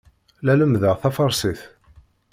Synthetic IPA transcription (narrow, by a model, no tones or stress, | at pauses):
læləmðəʁθæfɑɾˤsiθ